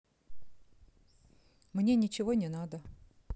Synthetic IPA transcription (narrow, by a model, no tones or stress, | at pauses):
mnʲenʲɪt͡ɕɪvonʲɪnad̪ə